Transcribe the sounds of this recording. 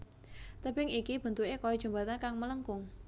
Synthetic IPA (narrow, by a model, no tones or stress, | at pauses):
t̪əb̥ɪŋikib̥ə̤nt̪uekojɔd̥ʒ̥ṳmbat̪ankaŋmələŋkʊŋ